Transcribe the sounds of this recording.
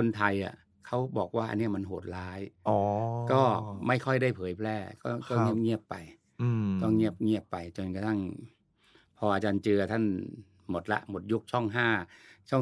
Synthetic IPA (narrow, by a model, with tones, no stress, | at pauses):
kʰo˧nt̪ʰa˧jʔa̰˨˩ | kʰa˦˥wbɔː˨˩k̚waː˥˩ʔa̰˧nːi˥˩ɐma˧nɦoː˨˩t̪̚laː˦˥jɔː˨˧kɔː˥˩ma˥˩jkʰɔ˥˩jda˥˩jpʰɤː˩˦jpʰlɛː˧˩kɔː˥˩kɔː˥˩ŋi˦˥˩əp̚ŋi˥˩əpːa˨˧j | t̪ɔ˥˩ŋːi˥˩əp̚ŋi˥˩əpːa˧jt͡ɕo˧nka˧t̪ʰa˥˩ŋ | pʰɔː˧ʔaː˧t͡ɕaː˧nt͡ɕɯː˧ɐt̪ʰa˥˩n | mo˨˩t̪̚la̰˦˥ʔmo˨˩t̪̚ju˦˥k̚t͡ɕʰɔ˥˩ŋɦaː˥˩t͡ɕʰɔ˥˩